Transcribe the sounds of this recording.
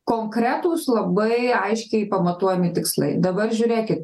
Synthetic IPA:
koːŋkɾʲæːt̪uːslˠɐbɐɪɐɪʃʲkʲɛɪpɐmɐt̪uɔjɛmʲɪt̪ʲɪkslˠɐ̰ɪd̪ɐbɐrʒʲʊːɾʲeːkʲɪt̪̚

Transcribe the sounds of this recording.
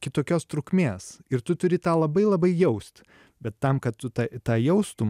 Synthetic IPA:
kʲɪt̪oːkʲoːst̪ɾʊkmʲeːsɪɾt̪ʊt̪ʊɾʲɪt̪ɑːlˠɐbɐɪlˠɐbɐɪjɛʊsʲt̪ʲ | bʲɛt̪ːɐmkɐt̪t̪ːʊt̪ɑt̪ɑːjɛʊst̪ʊ

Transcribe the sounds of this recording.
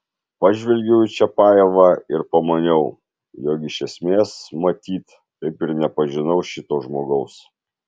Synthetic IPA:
pɑːʒʲʋʲɛlʲɡʲɛʊt͡ʃʲɛpɑːjɛʋɐɪɾpɐmɐnʲɛʊ | joːkɪʃʲɛsʲmʲeːsmɐt̪ʲiːt̪ | t̪ɐɪpɪɾnʲɛpɐʒʲɪnɐʊʃʲɪt̪oːʒmoːɡɐʊs

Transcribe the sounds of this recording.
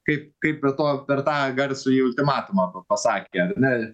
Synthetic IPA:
kɐɪp̚kɐɪppʲɛrt̪oːpʲɛrt̪ɑːɡɐɾʲsʲʊjiːʊlʲt̪ʲɪmɑːt̪ʊmɐpɐpɐsɑːkʲeːɐrnʲɛ

